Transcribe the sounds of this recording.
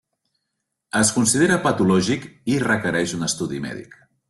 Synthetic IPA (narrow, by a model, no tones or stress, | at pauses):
əskunsiðeɾəpət̪ulɔʒikirəkəɾɛʃunəst̪uðimɛ̰ðḭk